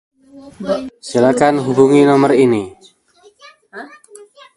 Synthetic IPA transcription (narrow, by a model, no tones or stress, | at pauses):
silakanɦubuŋinɔmərini